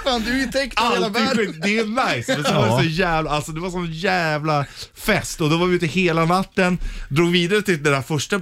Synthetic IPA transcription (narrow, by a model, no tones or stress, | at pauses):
faːnd̪ɪɪt̪ʰɛŋkt̪allavæːdd̪ɛɛnajsmɛnsɔvad̪ɛsɔjæːvlaalsɔd̪ɛvaʂɔnjæːvlafɛst̪ɔd̪ɔvaɾvɪʉ̟ːt̪əheːlanat̪ːənd̪ɾuːɡviːd̪aɾət̪ɪld̪ɛnæfœʂʈa